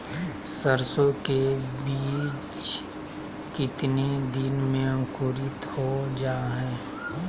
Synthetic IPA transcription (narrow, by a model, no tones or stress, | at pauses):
səɾsõkebiːt͡ʃ | kɪt̪nid̪ɪnmẽə̃ŋkuːɾɪt̪hod͡ʒaːɦɛː